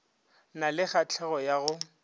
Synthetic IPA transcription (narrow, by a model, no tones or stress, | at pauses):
nalɪχat͡ɬʰɛɣɔjaɣʊ